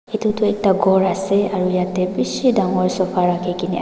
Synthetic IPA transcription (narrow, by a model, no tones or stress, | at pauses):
et̪ut̪ɔɛk̚taɡɔɹaseaɹujat̪ɛbisidaŋɔjsɔpʰaɹakʰekini